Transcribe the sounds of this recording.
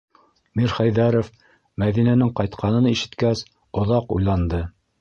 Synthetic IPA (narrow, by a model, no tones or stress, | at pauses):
miɾχæjðæɾof | mæðinænɘŋqɑjt̪qʰɑnɤ̆niʃɘ̆t̪kæs | ŏðɑqṵjlˠɑnd̪ɤ